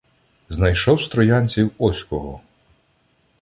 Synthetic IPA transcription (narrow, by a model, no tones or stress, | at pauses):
znɐjʃɔwst̪ɾɔjanʲt͡sʲiwɔsʲkɔɦɔ